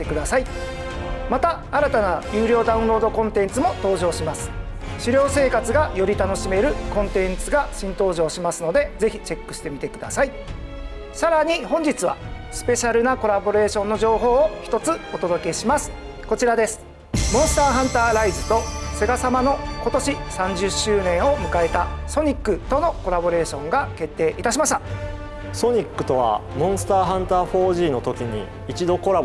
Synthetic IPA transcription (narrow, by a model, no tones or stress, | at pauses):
t̪ekɯ̟d̪asai | mat̪aːɾat̪anajɯːɾʲo̞ːd̪aɯ̟̃ɾo̞ːd̪o̞kõ̞nt̪ẽ̞nt͡sɨmo̞t̪o̞ːʑo̞ːɕimasɨ̥ | ɕiɾʲo̞ːse̞ːkat͡sɨɡajo̞ɾʲit̪ano̞ɕime̞ɾɯ̟kõ̞nt̪ẽ̞nt͡sɨɡaɕĩnt̪o̞ːʑo̞ːɕimasɨno̞d̪e̞ze̞çʲit͡ɕe̞kːɯ̟ɕi̥t̪e̞mʲit̪e̞kɯd̪a̰sai | saɾaɲ̟ihõ̞ɲ̟d͡ʑit͡sɨβa̰sɨ̥pe̞ɕaɾɯ̟nako̞ɾabo̞ɾe̞ːɕõ̞nːo̞ʑo̞ːɦo̞ːçi̥t̪o̞t͡sɨot̪o̞d̪o̞ke̞ɕimasɨ̥ | ko̞t͡ɕiɾad̪e̞sɨ̥ | mõsɨ̥t̪aːɦãnt̪aːɾaizɨt̪o̞se̞ɡasamano̞ko̞t̪o̞ɕisãɲ̟d͡ʑɨɕːɨːnẽ̞ɰ̃o̞mɯ̟kae̞t̪aso̞ɲ̟ikːɯt̪o̞no̞ko̞ɾabo̞ɾe̞ːɕõ̞ŋɡake̞t̪ːe̞ːʔit̪aɕ̬imaɕ̬t̪a | so̞ɲ̟ikːɯ̟̥t̪o̞βa̰mõ̞sɨ̥t̪aːɦãnt̪aːɸo̞ːʑiːno̞t̪o̞kʲiɲ̟ḭ | it͡ɕid̪o̞ko̞ɾa